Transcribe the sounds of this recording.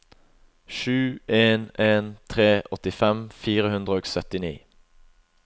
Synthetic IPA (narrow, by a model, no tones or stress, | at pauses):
ʃʉːʔeːneːnt̪ʰʁeːʔɔt̪ɪfɛmfiːʁəhʉnd̪ʁəoːɡsœt̪ɪnḭː